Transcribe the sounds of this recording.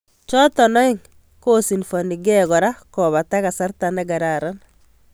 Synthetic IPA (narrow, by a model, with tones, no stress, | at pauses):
t͡ʃɔ˦tɔ˨nɔ˦i˦ŋ | ko˦si˨nfo˨ni˨ɡɛɣɔ˨ɾa˦kɔ˨βa˨ta˦ɣa˨sa˦ɾta˨naɡa˨ɾaɾa˦n